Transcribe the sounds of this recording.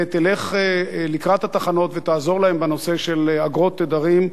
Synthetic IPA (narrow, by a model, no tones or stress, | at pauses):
t̪ile̞χelikʁat̪hat̪aχano̞t̪vet̪aːzo̞ʁlahe̞mbeno̞se̞ʃe̞laɡʁo̞t̪ːed̪aʁim